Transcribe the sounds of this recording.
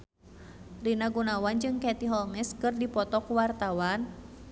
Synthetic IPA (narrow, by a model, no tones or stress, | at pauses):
rinaɡunawand͡ʒɨŋkɛt̪iɦɔlmɛskɨrdipɔt̪ɔkuwart̪awan